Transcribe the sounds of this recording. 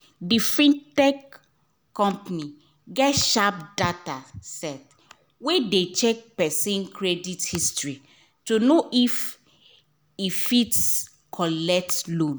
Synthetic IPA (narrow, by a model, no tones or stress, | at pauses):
difĩntɛk | kːɔ̃mpani | ɡɛtʃap̚datasɛt | wedet͡ʃɛk̚pɛsĩnkʰɹɛdithistɹi | tunoʔif | ifits | kʰɔlɛk̚tlõn